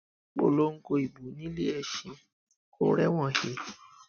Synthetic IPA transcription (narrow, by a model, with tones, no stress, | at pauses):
k͡po̰˦˨lo˦ŋ̩˦ko˧i˨bu˨˦nĩ˦le˦ɛ˨ʃĩ˨˧ | ko˦ɾɛ˦w̃ɔ̃˦˨he˨